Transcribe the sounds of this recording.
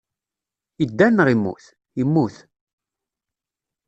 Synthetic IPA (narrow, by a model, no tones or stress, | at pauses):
id̪ːænːəʁimːṵθ | imːuθ